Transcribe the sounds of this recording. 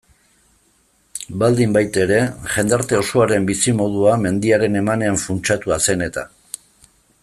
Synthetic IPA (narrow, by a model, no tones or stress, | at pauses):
bald̪imbajt̪e̞ɾe̞ʝe̞nd̪aɾt̪e̞o̞soaɾe̞mbisimo̞ð̞uame̞nd̪iaɾe̞ne̞mane̞aɱfunt͡ʃat̪uase̞ne̞t̪a̰